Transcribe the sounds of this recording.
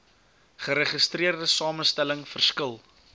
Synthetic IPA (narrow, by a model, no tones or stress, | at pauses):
χəɾəχəstriərdəsɑːməstæləŋfərskəlˠ